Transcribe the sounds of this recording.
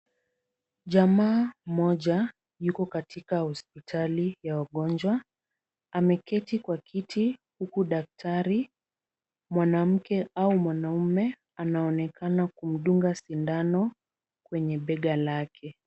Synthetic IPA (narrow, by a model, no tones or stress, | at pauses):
ʄamaːmɔʄa | jukɔkatikahɔspitʰalijawaɠɔnd͡ʒwa | amɛkɛtikwakʰitʰihukuɗak̚tʰaɾi | mwanam̩kɛaumwanaumɛ | anaɔnɛkʰanakum̩ɗuŋɡasindanɔ | kwɛɲɛɓɛɠalakʰɛ